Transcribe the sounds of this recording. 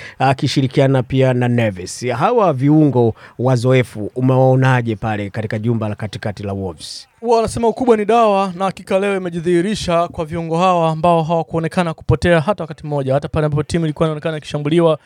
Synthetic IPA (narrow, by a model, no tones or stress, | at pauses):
akiʃiɾikianapiananɛvɛsɦawaviuŋɡɔwazɔɛfuumɛwaɔnaʄɛpalɛkatikaʄumbalakati̥katilawɔfs | uwawanasɛmaukuɓwaniɗawanahakikalɛɔimɛʄiðiiɾiʃakwaviuŋɡɔɦawaːmbaɔɦawakuɔnɛkanaku̥pɔtɛaɦatawakatim̩ːɔʄahatapalɛambapɔtimuilikuainaɔnɛkananiki̥ʃambuliwa